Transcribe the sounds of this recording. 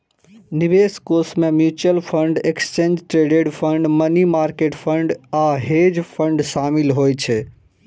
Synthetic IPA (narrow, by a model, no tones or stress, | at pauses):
nibeskoːsmẽmjut͡ʃəlpʰəɳɖekst͡ʃẽːnd͡ʒʈɾeɖeɖpʰəɳɖmənimaːɾkeʈpʰəɳɖaɦed͡ʒpʰə̃ɳɖʃaːmilɦoːjt͡ʃʰɛ